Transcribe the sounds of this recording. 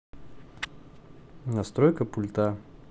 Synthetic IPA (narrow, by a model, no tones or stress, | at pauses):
nɐst̪ɾojkəpʊlʲt̪a